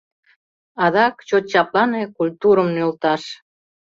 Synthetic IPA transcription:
ɑðɑkt͡ɕot̪̚t͡ɕɑplɑnekulʲt̪uɾəmnølt̪ɑʃ

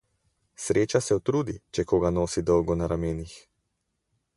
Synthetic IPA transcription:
sɾeːt͡ʃasɛut̪ɾuːd̪it͡ʃɛkoːɡanoːsid̪ɔwɡɔnaɾameːnix

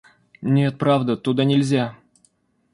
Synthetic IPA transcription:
nʲet̪̚pɾavd̪ət̪ʊd̪anʲɪlʲzʲa

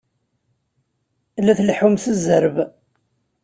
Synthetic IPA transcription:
læθlħumθəzəɾəb

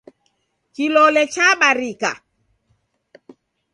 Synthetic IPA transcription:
kilɔlɛt͡ʃaɓaɾika̰

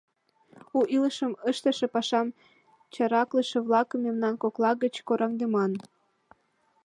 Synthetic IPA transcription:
uʔiləʃəməʃt̪ə̆ʃĕpɑʃɑm | t͡ɕɑɾɑkləʃĕβlɑkəmːemnɑnkoklɑɣət͡ɕkoɾʔɑŋd̪emɑn

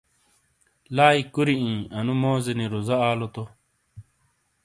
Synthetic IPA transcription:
laːikuɾiĩːɐnumoːzeniɾuzɐaːlot̪o

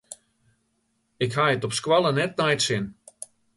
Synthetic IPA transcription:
ɪkhaətɔpskwalˠənɛt̚najtsɪn

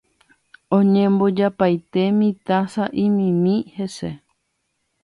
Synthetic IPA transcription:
õɲẽmbo̞d͡ʒapajt̪e̞mĩt̪asaʔĩmĩmĩhe̞se̞

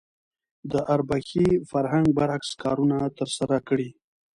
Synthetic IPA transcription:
d̪əʔaɾbaxifaɾɦaŋɡ̚baɾhakskɑɾunat̪əɾsaɾakɽi

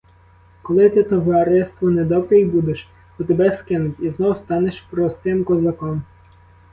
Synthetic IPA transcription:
kɔlˠɪt̪ɪt̪ɔʋɐɾɪst̪ʋɔned̪ɔbɾejbud̪eʃ | xɔt̪ebɛskɪnʊtʲiznɔwʊst̪ɑneʃpɾɔst̪ɪmkɔzɐkɔm

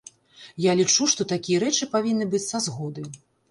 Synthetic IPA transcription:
jalʲit͡ʂuʂt̪ɔt̪akʲijɐɾɛt͡ʂɨpavʲinːɨbɨt͡sʲsazɣɔd̪ɨ

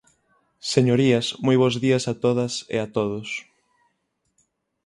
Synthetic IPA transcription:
seɲoɾiɐsmojβ̞ozðiɐsat̪oðɐsɪ̰at̪oðʊs

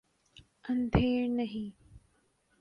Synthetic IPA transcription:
ə̃nd̪ʱeːɾnɐɦĩː

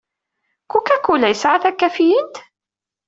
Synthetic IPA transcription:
kukːækːulæjəsʕaθækːæfijənt̪

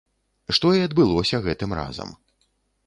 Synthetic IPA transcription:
ʂt̪ɔiɐd̪bɨlˠɔsʲɐɣɛt̪ɨmra̰zɐ̰m

